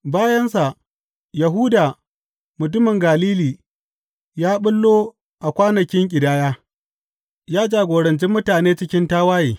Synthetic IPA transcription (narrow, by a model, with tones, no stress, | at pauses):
baː˦jɐ˦nsa˨ʔ | jɐ˨ɦʊː˦daː˨ | mʊ˨t̬ʊ˦mɪ˨ŋɡaː˨liː˦liː˨ | jaː˦ɓʊ˦lːoː˦ | ʔa˨kʷaː˦nɐ˨kʲɪ˦ŋkʲʼɪ˨daː˦jaː˦ | jaː˦d͡ʒaː˨ɡʷoː˨ɾɐ˨nt͡ʃi˦mːʊ˦taː˨neː˦t͡ʃɪ˦kʲɪ˦ntaː˦waː˦jeː˨